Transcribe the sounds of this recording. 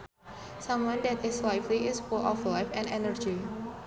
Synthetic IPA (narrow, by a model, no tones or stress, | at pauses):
sãmwʌ̃ndɛtɪslajfliʔɪsfulʔɔflaɪfɛ̃nɛnəɹd͡ʒi